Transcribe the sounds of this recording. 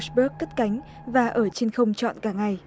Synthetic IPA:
sɓə˦˥kːə˦˥t̚ka˨˦jŋ̟ | vaː˨˩ʔəː˧˩t͡ɕe˧nxə˧wŋ͡mt͡ɕɔ̰˧˨nkaː˧˩ŋa˨˩j

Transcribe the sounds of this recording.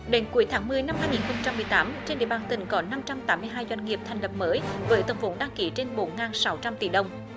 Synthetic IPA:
ɗe˨˦nku˨˦əjt̪ʰaː˨˦ŋmɨ˧˩əjna˧mhaː˧jŋi˨˩nxə˧wŋ͡mt͡ɕa˧mːɨ˨˩əjt̪aː˨˦mt͡ɕe˧nɗḭ˧˨əɓaː˨˩nt̪ï˨˩ŋ̟kɔ˨˦na˧mt͡ɕa˧mt̪aː˨˦mːɨ˧jɦaː˧jzwa˧jŋ̟ŋi˨˩əp̚t̪ʰa˨˩jŋ̟lə˨˩p̚məː˨˦jvəː˨˦jt̪ə˧˩nfo˨˦ɗa˧ŋki˨˦t͡ɕe˧nɓo˨˦nŋaː˨˩nsa˨˦wt͡ɕa˧mt̪ḭ˧˩˦ɗə˨˧˩wŋ͡m

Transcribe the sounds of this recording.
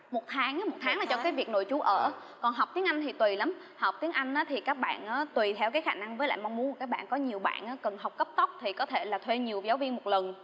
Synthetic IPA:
mo˨˩t̚t̪ʰaː˨˦ŋa˨˦mo˨˩t̚t̪ʰaː˨˦ŋlaː˨˩t͡ɕɔ˧kaː˨˦jvi˨˩ək̚no̰˧˨jt͡ɕu˨˦ʔəː˧˩ | kɔ˨˩nɦa˨˩w̚k͡p̚t̪i˨˦əŋʔa˧jŋ̟t̪ʰi˨˩t̪wi˨˩la˨˦m | ha˨˩wk͡p̚t̪i˨˦əŋʔa˧jŋ̟ʔaː˨˦t̪ʰi˨˩kaː˦˥k̚ɓa̰ː˧˨nʔaː˨˦t̪wi˨˩t̪ʰɛ˧wkaː˨˦jxaː˧˩na˧ŋvəː˨˦jl̰aː˧˨jm˧ŋ͡mmu˨˦n˨˩kaː˦˥k̚ɓa̰ː˧˨nkɔ˨˦ɲi˨˩əwɓa̰ː˧˨nʔaː˨˦kə˨˩nɦa˨˩wk͡p̚kə˦˥p̚t̪ə˦˥wk͡p̚t̪ʰi˨˩kɔ˨˦t̪ʰe˧˩laː˨˩t̪ʰwe˧ɲi˨˩əwzaː˨˦wvi˧ənmo˨˩t̚lə˨˩n

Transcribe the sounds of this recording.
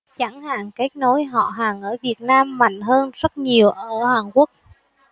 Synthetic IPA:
t͡ɕa˧˩ŋha̰ː˧˨ŋke˦˥k̚no˨˦jɦɔ̰˧˨ɦaː˨˩ŋʔəː˧˩vi˨˩ət̚naː˧mːa̰˧˨jŋ̟ɦəː˧nzə˦˥t̚ɲi˨˩əwʔəː˧˩haː˨˩nku˦˥ək̚

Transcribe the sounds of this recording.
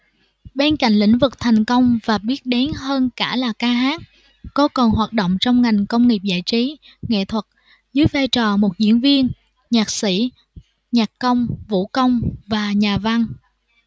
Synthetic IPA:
ɓe˧nka̰˧˨jŋ̟lḭ˧˥ŋ̟vɨ˨˩k̚t̪ʰa˨˩jŋ̟kə˧wŋ͡mvaː˨˩ɓi˦˥ət̚ɗe˨˦nɦəː˧nkaː˧˩laː˨˩kaː˧ɦaː˦˥t̚ | kːɔ˨˦kɔ˨˩nhwaː˨˩t̚ɗo̰˧˨wŋ͡mt͡ɕɔ˧wŋ͡mŋa˨˩jŋ̟kə˧wŋ͡mŋi˨˩əp̚za̰ː˧˨jt͡ɕi˨˦ | ŋḛ˧˨t̪ʰwə˨˩t̚ | zɨ˨˦jvaː˧jt͡ɕɔ˨˩mo˨˩t̚zḭ˧˥ənvi˧ən | ɲaː˨˩k̚sḭ˧˩ | ɲaː˨˩kkə˧wŋ͡mvṵ˧˥kə˧wŋ͡mvaː˨˩ɲaː˨˩va˧ŋ

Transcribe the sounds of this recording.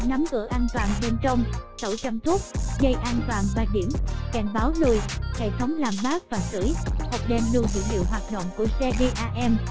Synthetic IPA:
na˨˦mkɨ̰˧˥əʔaː˧nt̪waː˨˩nɓe˧nt͡ɕə˧wŋ͡mt̪ə̰˧˩wt͡ɕə˧mt̪ʰu˦˥t̚ɣə˧jʔaː˧nt̪waː˨˩nvaː˨˩ɗi˧˩əmkɛ˧˩ŋɓaː˨˦wlu˨˩jhḛ˧˨t̪ʰə˨˦wŋ͡mlaː˨˩mɓaː˦˥k̚vaː˨˩sɨ̰˧˩˥jhə˨˩wk͡p̚ɗɛ˧˩mlɨ˧˩əzḭ˧˥lḭ˧˨əwɦwaː˨˩t̚ɗo̰˧˨wŋ͡mku˧˩əsɛ˧ɣe˧ʔaː˧ʔɛ˧m

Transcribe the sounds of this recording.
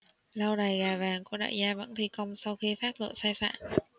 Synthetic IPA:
la˧wɗaː˨˩jɣaː˨˩vaː˨˩ŋku˧˩əɗa̰ː˧˨jzaː˧və̰˧˥nt̪ʰi˧˩kə˧wŋ͡msa˧wxi˧faː˦˥t̚lə̰ː˧˨saː˧jfa̰ː˧˩˨m

